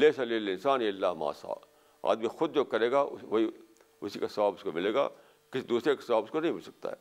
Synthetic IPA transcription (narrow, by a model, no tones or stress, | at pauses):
leːsɐleːlɪ̃nsaːneːɐlːaːma̰ːsa̰ː | a̰ːd̪mixʊd̪̚d͡ʒoːkɐɾeːɡaʋɐɦi | ʊsikasɐʋaːbʊskomɪleːɡa̰ː | kɪsid̪uːsɾekasɐʋaːbʊskonɐɦĩmɪlsɐ̥k̚t̪a̰ɦɛː